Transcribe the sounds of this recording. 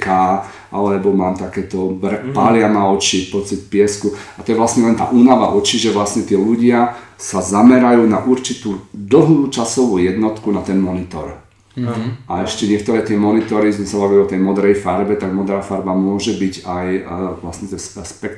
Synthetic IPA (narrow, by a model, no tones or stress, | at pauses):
kaː | ʔalɛbɔmaːmt̪akɛːt̪ɔbrpalɪamaɔt͡ʃipɔt͡sit̪pɪɛskuat̪ɔjɛʋlasɲɛlɛnt̪a̰ːʔuːnaʋa̰ʔɔt͡ʃiʒɛʋlasɲɛt̪ɪɛʎuɟɪasazamɛɾajuːnaʔuɾt͡ʃit̪uːd̪l̩ɦluːt͡ʃasɔʋuːjɛd̪nɔt̪kunat̪ɛnmɔnit̪ɔ̰ɾ | aɛʃcɛɲɪɛkt̪ɔɾɛːt̪ɪɛmɔnit̪ɔɾizmɛsabaʋiliɔt̪ɛjmɔd̪ɾɛjfaɾbɛt̪aɡmɔd̪ɾaːfaɾbamʊɔʒɛbiɟajʋlasɲɛt̪ɛsɛspɛk